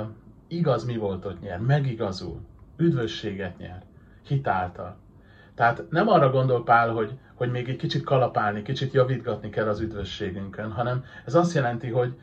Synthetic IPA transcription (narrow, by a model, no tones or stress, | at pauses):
iɡɒzmivo̞lt̪o̞t̪ɲɛrmɛɡiɡɒzṵlyd̪vø̞ʃːeːɡɛt̪ɲɛ̰r | hit̪aːlt̪ɒ̰l | t̪ɛɦaːt̪nɛmɒrːɒɡo̞nd̪o̞lpaːlɦo̞ɟ | ho̞ɟmeːɡɛckit͡ʃit̪kɒlɒpaːlnikit͡ʃit̪jɒvid̪ɡɒt̪nikɛlːɒzyd̪vø̞ʃːeːɡyŋkønɦɒnɛmɛzɒst̪jɛlɛnt̪iɦo̞ɟ